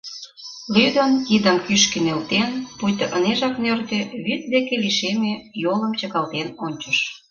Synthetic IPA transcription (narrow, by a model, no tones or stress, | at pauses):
lyd̪ənid̪əmkyʃkĕnelt̪enpujt̪ə̆ʔəneʒɑknørt̪ĕβyt̪̚d̪ekeliʃemejolə̆mt͡ɕə̆kɑlt̪enonʲt͡ɕə̆ʃ